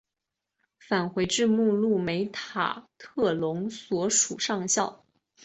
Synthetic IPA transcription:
fa˨˩nxwe˧˥ɪʈ͡ʂɻ̩˥˧mu˥˧lu˥˩me˧˥ɪt̪ʰa̰˨˩t̪ʰɤ˥˩lʊ˧˥ŋswɔ˧˥ʂu˨˩ʂɑ˥˧ŋɕjɑ˥˩ʊ

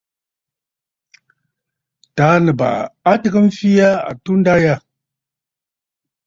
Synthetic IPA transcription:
ta˨˦nə˨ba̰˨a˦tə˦˨ɡə˦m˦fi˦ja˦a̰˨tu˦n˦da˦ja˦

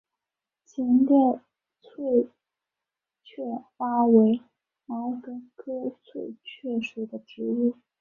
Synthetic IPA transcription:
t͡ɕʰɛ˧˥nljɛ˥˧ | t͡sʰwe˥˧ɪ | t͡ɕʰɥɛ˥˩fa˥we˧˥ɪ | a˧˥kə˧˥kʰɤ˥t͡sʰwe˥˧ɪt͡ɕʰɥɛ˥˩ʂwu˨˩d̪ə˦ʈ͡ʂɻ̩˧˥u˥˩

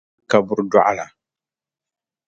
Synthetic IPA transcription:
ka˨bʊ˦ɾdɔ˦ʔa̰˦la˨

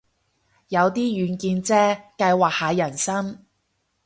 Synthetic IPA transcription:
jɐ˨˧wt̪iː˥jyː˨˧nkiː˧nt͡sɛː˥kɐ˧jwaː˨˩k̚haː˨˧jɐ˨˩nsɐ˥m

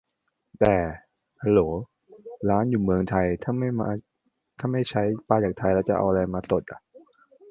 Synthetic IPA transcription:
t̪ɛː˨˩ | a˧loː˩˦ | ɾaː˦˥njuː˨˩mɯ˧əŋt̪ʰa˧jt̪ʰa˥˩ma˥˩ja˧ | t̪ʰaː˥˩ma˥˩jt͡ɕʰa˦˥jpaː˧jt͡ɕaː˨˩k̚t̪ʰa˧jlɛː˦˥wt͡ɕa˨˩ʔa̰˧ʔa˧ɾa˧jmaː˧t̪o˨˩t̪̚ʔa̰˨˩ʔ

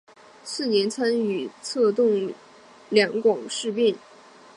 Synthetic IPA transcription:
sɹ̩˥˩njɛ˧˥nt͡sʰa˥ny˨˩t͡sʰɤ˥˧t̪ʊ˥˩ŋ | ljɑ˧˥ŋkwɑ˨˩ŋʂɻ̩˥˧pi˥˩n

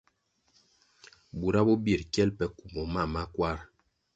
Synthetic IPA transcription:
bu˨ɾa˦bo˦bi˦˨ɾkɛ˦lpɛ˦ku˨mɔ˨ma˦˨ma˦kwa˦˨ɾ

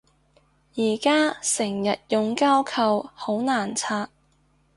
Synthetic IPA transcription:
jiː˨˩kaː˥sɪ˨˩ŋjɐ˨t̚jʊ˨ŋkaː˥wkʰɐ˨˧who˨˥wnaː˨˩nt͡sʰaː˧t̚

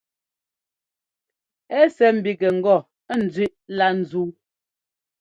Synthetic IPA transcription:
ɛ˦sɛ˨m̩˨bi˨kɛ˨ŋ̩˨ɡɔ˦˨˦ | n̩˨d͡zɥʉ˦ʔla˦n̩˨zu˦

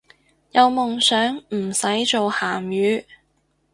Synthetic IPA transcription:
jɐ˨˧wmʊ˨ŋsœː˨˥ŋm̩˨˩sɐ˨˥jt͡so˨whaː˨˩mjyː˨˧˥

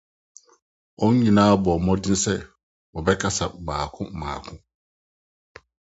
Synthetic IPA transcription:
ɔ˦ɲ˦ɲĩ˨nãː˦a˦bɔ˨mɔ̃˦dɪ˦n̩˦sɛ˦ | wɔ˨bɛ˦kʰa˦sa˨baː˨kʰʊ̃˦˨mãː˨kʰʊ̃˦

